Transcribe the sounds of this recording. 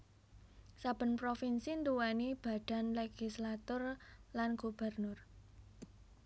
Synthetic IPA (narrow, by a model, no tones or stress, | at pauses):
sab̥ə̤npɾofinsint̪uwɛnib̥a̤ɖ̥a̤nleɡ̥islat̪ʊrlanɡ̥ub̥ə̤rnʊr